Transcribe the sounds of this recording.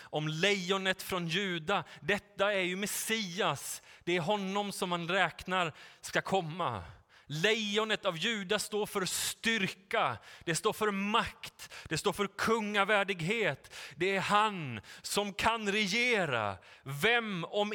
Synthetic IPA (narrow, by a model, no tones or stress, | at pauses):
ʔɔmlɛjɔnət̪fɾɔnjʉ̟ːd̪ad̪ɛt̪ːaæɾjɵmɛsiːasd̪̥ɛæɾɦɔnːɔmsɔmhanɾɛːknaɾskakʰɔmːa̰lɛjɔnət̪avjʉ̟ːd̪ast̪oːɾfœɾst̪ʏɾkad̪ɛst̪oːɾfœɾmakt̪d̪̥ɛst̪oːɾfœɾkʰɵŋːavæːɖɪɡɦeːt̪d̪ɛæɾhansɔmkʰanɾɛjeːɾa̰vɛmɔm